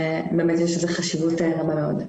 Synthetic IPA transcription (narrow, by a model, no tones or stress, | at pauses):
beːmetjɛʃezeχaʃivuteʁabameod